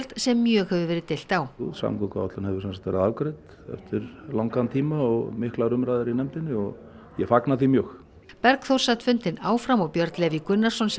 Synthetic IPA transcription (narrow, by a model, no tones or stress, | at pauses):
lt̪sɛmːjœːɣhɛvʏvɛːɾɪt̪ɪl̥t̪awuðsa̰mkɔkaɔt̪lanhɛvʏsansat̪vɛ̰ːɾaðawkɾet̪ | ɛ̰ft̪ʏɾlawŋkant̪ʰiːmaɔɣmɪhklaɣɾʏmɾajðɪɾinɛmt̪ɪnːɪɔɣ | jɛfaknaθimjœːx | pɛɾkθowr̥sat̪fʏnt̪ɪnaːwfɾamɔɣpjœɾt̪lɛvikʏnːaɾ̥sɔns